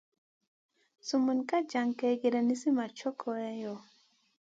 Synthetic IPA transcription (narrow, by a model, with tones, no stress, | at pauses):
su˨mu˨nka˦d͡ʒa˨ŋke˨˦ɡe˨ɾa˨ni˦si˦ma˨t͡ʃɔ˦kʰɔ˨ɛ˦jɔ˨